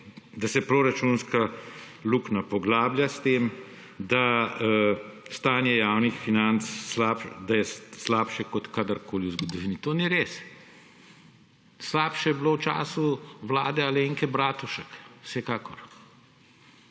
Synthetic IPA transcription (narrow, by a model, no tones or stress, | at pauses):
d̪asɛpɾoɾat͡ʃunska | luknapɔɡlaːbljast̪eːm | d̪a | st̪aːnjɛjaːwnixfinant̪sːlapd̪ajɛslaːpʃɛkɔt̪kaːd̪əɾkʰoːliuzɡɔd̪ɔʋiːnit̪oːniɾeːs | slaːpʃɛjɛbloːwt͡ʃa̰ːsuʋlaːd̪ɛaleːŋkɛbɾaːt̪uʃəkw̥sɛkaːkɔɾ